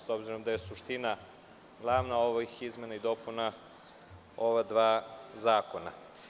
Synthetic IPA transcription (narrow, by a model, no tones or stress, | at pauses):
so̞bziɾo̞md̪aje̞suʃt̪ina | ɡlˠaʋnaoʋixizmenaid̪o̞puna | o̞ʋad̪ʋaːzaːko̞na̰